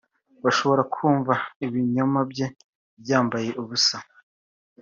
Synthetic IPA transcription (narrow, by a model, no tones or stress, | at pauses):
waʃo̞βo̞ɾakʰuːɱvaiβiɲomabje̞ | bjaːmbaje̞ʔuβusa